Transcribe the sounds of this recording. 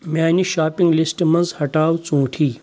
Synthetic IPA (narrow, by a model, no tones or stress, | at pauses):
mʲaːniʃaːpĩŋɡlisʈmɐnzhɐʈaːwt͡sũːʈʰiː